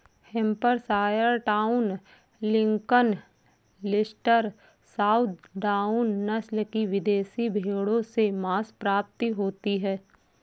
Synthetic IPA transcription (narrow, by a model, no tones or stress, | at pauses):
hɛ̃mpəɾsaːjəɾʈaːʊn | lɪ̃ŋkən | lɪsʈəɾ | saːʊt̪̚ɖaːʊnːɐslkiʋɪd̪eːsibʱeːɽõsemaːspɾaːp̚t̪iɦoːt̪iɦɛː